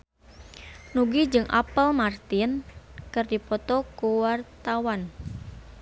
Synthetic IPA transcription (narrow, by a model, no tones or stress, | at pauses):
nuɡid͡ʒɨŋʔa̰pəlmart̪ɪnkɨrdipɔt̪ɔkuwart̪awan